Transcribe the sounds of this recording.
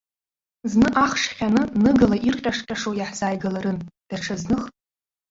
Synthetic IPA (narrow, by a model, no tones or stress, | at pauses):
znɨʔaχʂχʲanɨnɨɡalaʔirqʲʼaʂqʲʼaʂojaħz̥aːjɡalaɾɨnd̥aʈ͡ʂʰaznɨχtʼ